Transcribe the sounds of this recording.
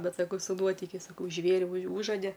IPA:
ˈbʲɛt sɐˈkɐʊ sʊ ˈnuɔtʲɪkʲɛɪs sɐˈkɐʊ ˈʒʲʋʲeːrʲɪ ʊʃ ˈuːʒoːdʲɛ

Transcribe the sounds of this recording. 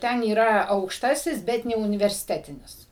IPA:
ˈtʲɛn iːˈrɐ ɐʊkʃˈtɑːsʲɪs ˈbʲɛt nʲɛʊnʲɪʋʲɛrʲsʲɪˈtʲæːtʲɪnʲɪs

